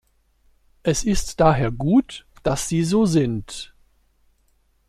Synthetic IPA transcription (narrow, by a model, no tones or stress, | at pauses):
ʔɛsɪstd̥aːɦeːɐɡuːtd̥asz̥iːzoːzɪnt